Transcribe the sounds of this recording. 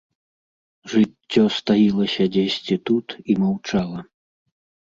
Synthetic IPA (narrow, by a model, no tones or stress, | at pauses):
ʐɨtʲːɔst̪ajilˠɐsʲɐd͡zʲesʲt͡sʲit̪ut̪imawt͡ʂalˠɐ